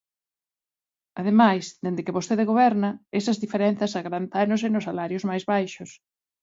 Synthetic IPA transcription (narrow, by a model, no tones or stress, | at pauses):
aðemajsd̪end̪ɪkɪβost̪eðeɣoβɛɾnɐesɐzðifeɾɛnθɐsaɣɾant̪anʊs̬enʊsalaɾjʊzmajzβajʃʊs